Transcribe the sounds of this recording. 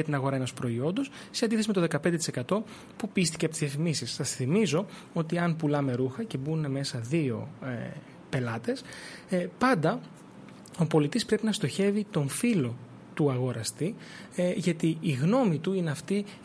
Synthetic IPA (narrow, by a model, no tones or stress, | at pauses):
ɐt̪inɐɣo̞ɾɐe̞no̞spɾo̞io̞nd̪o̞s | send̪iθesimet̪oðekɐpe̞nd̪et̪ise̞kɐt̪o̞ | pupist̪i̥cepot̪zðiɐfimisisːɐsθimizo̞ | o̞t̪iɐnpulɐme̞ɾuxɐce̞bune̞me̞sɐðio̞̰ | pe̞lɐt̪e̞s | pɐnd̪ɐ | o̞po̞lit̪ispɾe̞pinɐst̪o̞çe̞vit̪o̞ɱfilo̞ | t̪uɐɣo̞ɾɐst̪i | ʝɐt̪iiɣno̞mit̪uine̞ɐft̪i